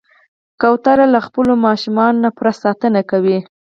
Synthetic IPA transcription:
kawt̪aɾalaxpəlomɑʃumɑnonapɾasɑt̪ənakawi

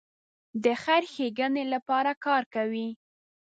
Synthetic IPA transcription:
d̪əxaɾxeɡənelapɑɾakɑɾkawi

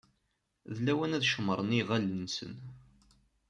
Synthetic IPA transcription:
ðlæwænæðʃməɾˤəniʁælːənsə̰n

